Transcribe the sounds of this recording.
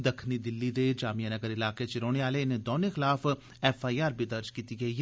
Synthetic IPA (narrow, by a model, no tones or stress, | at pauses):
d̪ɐkʰnid̪ɪlːid̪ed͡ʒaːmijənɐɡəɾɪlaːket͡ʃɪɾoːɽ̃eaːleɪnẽd̪oːnexɪlaːf | ɛːfaːijaːɾbʱid̪ɐɾd͡ʒkiːt̪iɡɐiɦ